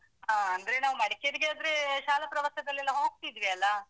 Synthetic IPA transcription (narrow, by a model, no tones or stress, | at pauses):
ɦaːɐnd̪ɐɾenaːʋumɐɽiked̪ɡeɐd̪ɾeʃaːlɐpɾɐʋɐt̪ɐd̪ɐlːɛlːɐɦo̞ːɡ̚t̪id̪ʋiɐlːɐ